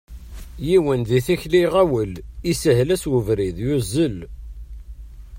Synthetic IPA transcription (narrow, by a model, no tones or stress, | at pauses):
jiwənðiθiçliʁæwəlisəɦlæswəvɾiðjuzːəl